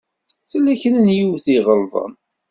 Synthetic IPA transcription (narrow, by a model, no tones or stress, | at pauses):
θəlːæçənənjiwθiʁəlðˤə̰n